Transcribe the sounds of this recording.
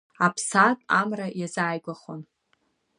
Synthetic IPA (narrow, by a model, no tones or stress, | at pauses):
apʰsatʼamrajazaːjɡʷaχon